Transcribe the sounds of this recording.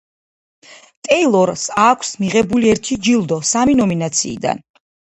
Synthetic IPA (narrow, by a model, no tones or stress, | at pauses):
t̪ʼɛjlˠɔɾsakʷʰsmiʁɛbuliɛɾt̪ʰid͡ʒilˠd̪ɔsaminɔminat̪sʰḭːd̪a̰n